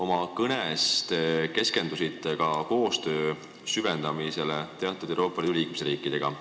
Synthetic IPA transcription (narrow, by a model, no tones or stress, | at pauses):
o̞mɑkɤnest̪eke̞ske̞nd̪usit̪ːˑekɑko̞ːst̪ø̞ː | syve̞nd̪̥ɑmise̞let̪e̞ɑt̪ːˑud̪̥ewɾo̞ːpːˑɑlid̪uliːk̚mesriːkːˑid̪̥e̞ɡ̥ɑ